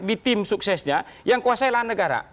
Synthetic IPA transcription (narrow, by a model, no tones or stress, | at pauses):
dit̪ɪmsuksɛsɲajaŋkuasajlanːəɡaɾa̰